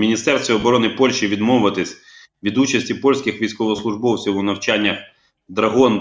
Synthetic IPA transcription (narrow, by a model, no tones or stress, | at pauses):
mʲinʲist̪ɛrsʲt̪ʋʲiɔbɔɾɔnɪpɔlʲʃiʋʲid̪mɔʋʊʋɐt̪ɪsʲ | ʋʲid̪ut͡ʃɐsʲtʲipɔlʲsʲkʲɪxʋʲijsʲkɔʋɔslˠʊʒbɔwt͡sʲiwunɐwt͡ʃanʲːɐx | d̪ɾɐɦɔn